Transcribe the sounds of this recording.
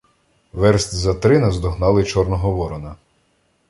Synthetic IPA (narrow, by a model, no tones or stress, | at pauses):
ʋɛɾsʲt̪ʲzɐt̪ɾɪnɐzd̪ɔɦnɑlˠɪt͡ʃɔrnɔɦɔʋɔɾɔnɐ